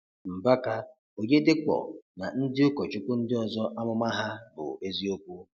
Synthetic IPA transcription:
m̩˨ba˦ka˦ | o˨ɲe˦dɪ˦k͡pɔ̰˨na˨n̩˦dɪ˦ʊ˦kɔ˨t͡ʃʊ˦kʷʊ˦n̩˦dɪ˦ɔ˨zɔ˦ʔa˦mʊ˦ma˦ɦa˦bʊ̰˨e˦zi˦o˦kʷu˦

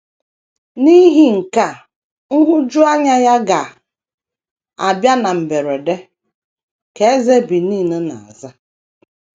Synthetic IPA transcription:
ni˦ɦi˨ŋ̩˨ka˦˨ | ŋ̩˦ɦʊ˦d͡ʒʊ˦a˦ɲa˦ja˦ɡa˨ | a̰˨bja˦na˨m̩˨be˨ɾe˨de˦ | ke˨e˦ze˦bi˨niː˦˨nʊ˦na̰˨a̰˨za˦

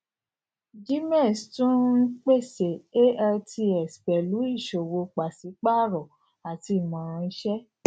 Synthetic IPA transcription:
d͡ʒi˦m˦ɛ˦˨stũ˦k͡pe˦˨se˨e˦ɛ˧ti˧ɛ˨spɛ˨lu˨˦i˦˨ʃo˨wo˧k͡pa˨si˨˦k͡pa˦˨ɾɔ˨ | a˨ti˧˨mã˨˦ɾʃɛ˦

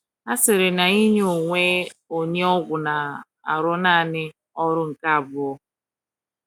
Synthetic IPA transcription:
a˦sɪ˨ɾɪ˨na˨i˦ɲ˦o˨ŋʷe˦o˨ɲe˦ɔ˦ɡʷʊ˨na˨ | a̰˨ɾʊ˦na˦˨nɪ˦ | ɔ˦ɾʊ˦ŋ̩˨ka˦a˨bʊ˦ɔ˦

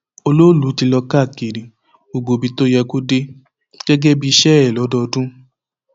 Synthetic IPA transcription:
o˧lo˦lu˨˦ti˧lɔ˧ka˦˨ke˨ɾi˨ | o˨ɡ͡bo˨bi˧to˦jɛ˧ko˦de˦ | ɡ̥ɛ˦ɡɛ˦bi˦˧ʃɛ˦ɾɛ˨lɔ˨˦dɔ˧dũ˦

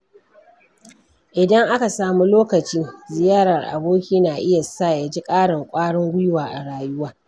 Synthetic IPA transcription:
ʔɪ˨dɐ˦ŋʔa˦ka˨saː˨mu˦loː˦kɐ˨t͡ʃiː˦zɪ˨jaː˦ɽɐ˨rʔa̰˨boː˦kʲiː˦naː˨ʔɪ˦ja˨sa˦˨ja˨d͡ʒi˦kʼaː˦ɽɪ˨ŋkʷʼaː˦ɽɔ˦ŋɡʷʊ˦jwaː˨ʔa˨ɽaː˨jʊ˦waː˦

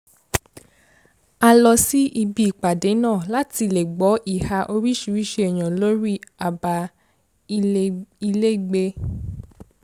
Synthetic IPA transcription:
a˧lɔ˧si˦ʔi˧bi˧˨k͡pa˨de˨˦nãː˦˨la˦ti˧˦le˨ɡ͡bɔ˨˦ʔi˦˨ha˧ʔo˧ɾi˦ʃu˨˦ɾi˦ʃe˧˦ɛ˨j̃ã˨lo˦ɾi˦a˨ba˧ | i˧le˦i˨ɡ͡be˧

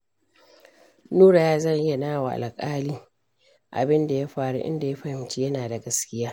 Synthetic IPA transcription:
nuː˦ɽa˨jaː˦zɐ˦˨ɲʔɪ˦ja˨naː˦wa˨ʔa̰˨lkʼaː˦liː˦ | ʔa̰˨bɪ˦nda˨ja˦ɸaː˨ɽṵ˦ʔɪ̰˦nda˨ja˦ɸɐ˦hɪ˨mt͡ʃi˦jɐ˦naː˨da˨ɡɐ˦skʲɪ˦jaː˦

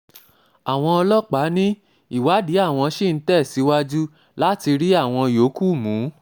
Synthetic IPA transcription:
a˨w̃ɔ̃˧ɔ˧lɔ˦k͡pa˨˦nĩ˦ | i˦˨wa˨˦di˨˦a˦˨w̃ɔ̃˧ʃi˦˨n̩˨˦tɛ˦˨si˨˦wa˦d͡ʒu˦ | la˦ti˧ɾi˦a˦˨w̃ɔ̃˧jo˨˦ku˦˨mũː˨˦

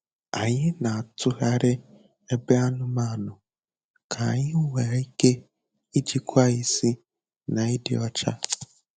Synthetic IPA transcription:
a˨ɲɪ˦na˨a˨tʊ˦ɣa˦ɾɪ˦ | e˦be˦a˦nʊ˦ma˦˨nʊ˨ | kʰa˨ɲɪ˦ŋʷe˨˦i˦ke˦ | i˦d͡ʒi˦kʷa˦i˦si˦ | na˨i˦dɪ̰˦ɔ˦t͡ʃa̰˦

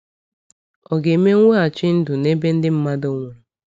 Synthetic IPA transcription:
ɔ˨ɡe˨me˦ŋʷe˦a˨t͡ʃɪ˦n̩˦dʊ˨ne˦be˦n̩˦dɪ˦m̩˦ma˦do˦ŋʷe˨

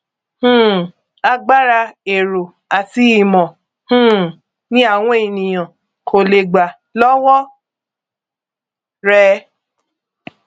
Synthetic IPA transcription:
h̩˦˨ | a˧ɡ͡ba˦ɾa˧e˨ɾo˨ | a˨ti˨˦i˨mɔ̃˨ | hũ˦ | nĩ˦a˦˨w̃ɔ̃˦e˨nĩ˨j̃ã˨ | kʰo˨le˨ɡ͡ba˨ | lɔ˦wɔ˦ | ɾɛ˦

